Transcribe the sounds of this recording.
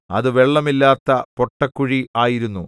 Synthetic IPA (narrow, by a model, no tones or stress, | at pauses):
ɐ̰ðɨʋe̞ɭːɐmilːaːt̪ːɐpo̞ʈːɐkːuɻiaːjiɾunːu